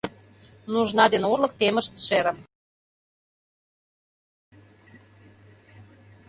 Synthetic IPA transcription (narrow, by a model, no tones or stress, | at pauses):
nuʒnɑd̪enolə̆k̚t̪emə̆ʃt̪ʃeɾə̆m